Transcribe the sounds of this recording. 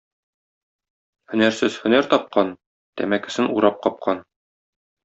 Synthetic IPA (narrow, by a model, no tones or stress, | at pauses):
hɵ̆næɾsɘz̥hɵ̆næɾt̪ɒp̚qɑn | t̪æ̰mækɘ̆sɘnuɾɑp̚qɒp̚qʰɑn